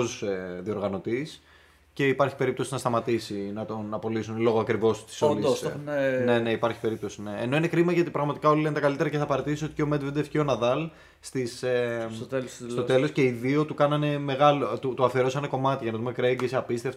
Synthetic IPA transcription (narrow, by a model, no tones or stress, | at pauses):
zseðio̞ɾɣɐno̞t̪is | ce̞ipɐɾçi̥pe̞ɾip̚t̪osinɐst̪ɐmɐt̪isinɐt̪o̞nɐpo̞lisunlo̞ɣoɐkɾivo̞st̪i̥solinne̞neipɐɾçi̥pe̞ɾipt̪o̞sinḛːno̞inekɾimɐʝɐt̪ipɾɐɣmɐt̪ikɐo̞lilent̪ɐkɐlit̪eɾɐceθɐpɐɾet̪isio̞t̪i̥ceomed̪ved̪efceonɐðɐl | st̪ise | st̪ot̪e̞lo̞sce̞iðio̞t̪ukɐnɐne̞me̞ɣɐlot̪ut̪oɐfeɾosɐneko̞mɐt̪iʝɐnɐðumekɾeɲɟesɐpist̪eft̪